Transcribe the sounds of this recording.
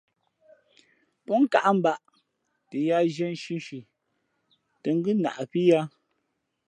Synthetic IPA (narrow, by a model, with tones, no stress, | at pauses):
pɔ˦ŋ˦ka̰˨ʔa˦m̩˨ba˦ʔ | te˨ja˦ʒɛ˦n̩˦ʃi˦n˦ʃi˨ | te˨ŋ˦ɡʉ˦na̰˨ʔpi˦ja˦